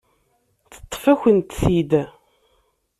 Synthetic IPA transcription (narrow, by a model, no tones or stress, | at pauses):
θə̥t̪ˤːfæçʷənt̪θid̪